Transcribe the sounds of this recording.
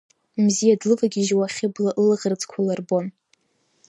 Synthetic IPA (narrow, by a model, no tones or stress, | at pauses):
mzijadlɨvaɡʲiʒwaχʲɪblaʔɨlʁərd͡zkʷʰalarbon